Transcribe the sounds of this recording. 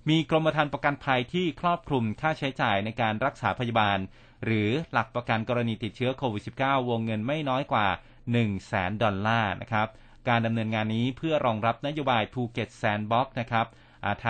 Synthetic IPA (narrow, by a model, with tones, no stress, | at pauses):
miː˧kɾo˧mpa˧t̪ʰaː˧npɾa˧ka˧npʰa˧jt̪ʰiː˥˩kʰɾɔː˥˩p̚kʰɾu˧mkʰaː˥˩t͡ɕʰa˦˥jt͡ɕaː˨˩jna˧jkaː˧nɾa˦˥k̚saː˩˦˥pʰa˧ja˧baː˧n | ɾɯː˩˦la˨˩k̚pɾa˧ka˧nkɔː˧ɾa˧niː˧t̪i˨˩t̪̚t͡ɕʰɯ˦˥ɐkʰoː˧wi˨˩t̪̚si˨˩p̚kaː˥˩wːoː˧ŋːɤ˧nma˥˩jnɔː˦˥jkwaː˨˩ | nɯ˨˩ŋsɛ̰ː˩˦ndɔ˧nlaː˥˩nʔa̰˦˥kʰɾa˦˥p̚ | kaː˧nda˧mnɤː˧nŋaː˧nːiː˦˥pʰɯ˥˩ɐɾɔː˧ŋɾa˦˥p̚na˦˥joː˧baː˧jpʰuː˧ke˨˩t̪̚sɛː˧nbɔ˦˥k̚na˦˥kʰɾa˦˥p̚ | ʔa˨˩t̪ʰː